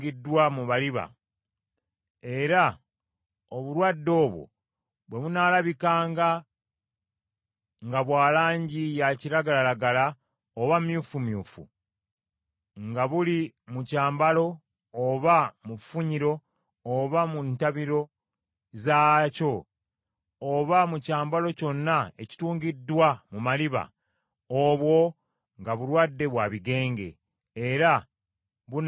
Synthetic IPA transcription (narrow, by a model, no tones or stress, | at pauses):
ɡidːwamuβaliβa̰ | e̞ɾa | oβuɾwadːo̞ːβwo̞̰ | βwe̞βunaːlaβikaːŋɡa | ŋɡaβwaːlaːɲɟijaciɾaɡalalaɡala | oβamjuːfumjṵːfṵ | ŋɡaβulimucaːmbalo̞ː | βamufuɲiɾo̞ː | βamuntaβiɾo̞ | zaːco̞ | oβamucaːmbalo̞co̞nːae̞ci̥tuːŋɡidːwamumaliβa̰ | oβwo̞ | ŋɡaβuɾwadːe̞βwaβiɡe̞ːŋɡe̞̰ː | ɾa | βun